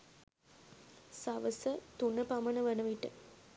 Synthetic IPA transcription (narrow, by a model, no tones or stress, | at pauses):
saʋəsət̪unəpamənəʋɐnəʋiʈə